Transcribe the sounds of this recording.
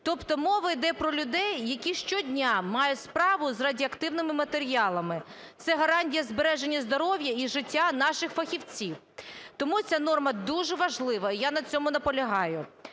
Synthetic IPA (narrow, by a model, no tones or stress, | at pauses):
t̪ɔpt̪ɔmɔʋɐjd̪ɛpɾɔlʲʊd̪ɛjːɐkʲiʃt͡ʃɔdʲnʲamɑjʊtʲspɾɑʋʊzrɐdʲiɐkt̪ɪwnɪmɪmɐt̪eɾʲiɑlˠɐmɪ | t̪sɛɦɐɾɑnʲtʲijɐzbeɾɛʒenʲːɐzd̪ɔɾɔʋʲjɐiʒɪtʲːanɑʃɪxfɐxʲiwt͡sʲiw | t̪ɔmut͡sʲanɔrmɐd̪uʒɛʋɐʒlˠɪʋɐijanɐt͡sʲɔmʊnɐpɔlʲɐɦɑjʊ